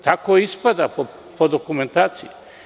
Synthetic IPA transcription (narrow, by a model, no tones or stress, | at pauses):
t̪akoispad̪ap | pod̪okument̪aːt̪sije